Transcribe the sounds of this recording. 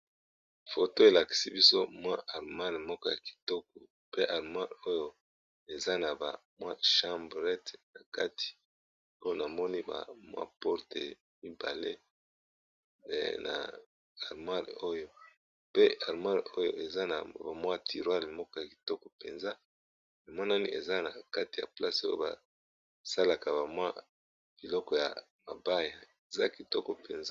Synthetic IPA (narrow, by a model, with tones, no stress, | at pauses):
fo˨to˦e˨la˨ki̥˨si˦bi˦so˦mwa˦ʔa˨ʁma˦n˨mɔ˦kɔ˦ja˨ki̥˨tɔ˦k̚ɔ˨ | pe˦ʔa˨ʁma˦lo˦jo˦ | e˨za˦na˨ba̰˨mwa˦ʃa˦mbʁɛ˦tna˨ka˦ti̥˨ | o˦jo˦na˨mɔ˦ni˦ba̰˨mwa̰˦pɔ˦ʁtḛ˨ | mi˦ba˨lḛ˦˨ | na̰˨ | a˨ʁma˦ʁ̰o˦jo˦ | pe˦a˨ʁma˦ʁo˦jo˦ʔe˨za˦na̰˨ba˨mwa˦tʰi˨ʁwa˦ʁi˨mɔ˦kɔ˦ja˨ki̥˨tɔ˦kɔ˨pḛ˨nza˦ | na˨mɔ˦na˦ni˦ḛ˨za˦na˨ka˦ti˨ja̰˨pla˦so˦jo̰˦ba̰˨ | sa˦la˨ka˨ba˨mwa̰˦ | b̥i˨lɔ˦kɔ˨ja̰˨ | ma˨ba˦ja˨ | e˨za˦ki˨tɔ˦kɔ˨pe˨nza˦